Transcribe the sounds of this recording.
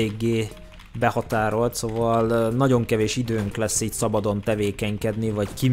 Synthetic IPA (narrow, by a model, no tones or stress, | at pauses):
eːɡːeː | bɛhɒt̪aːɾo̞lt̪sovɒlnɒɟo̞ŋkɛveːʃid̪øːŋklɛsːiːcsɒbɒd̪o̞nt̪ɛveːkɛɲkɛd̪nivɒcki